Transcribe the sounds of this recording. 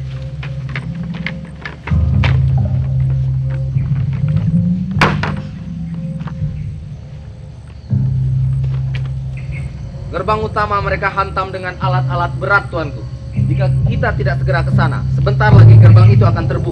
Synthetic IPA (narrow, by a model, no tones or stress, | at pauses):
kərbaŋut̪amaməɾekaɦant̪amdəŋanalat̪̚alat̪̚bəɾat̪ːuant̪u | d͡ʒiŋɡakit̪at̪idaʔsəɡəɾakəsana̰səbənt̪arlaɡikərbaŋit̪uakant̪ərbu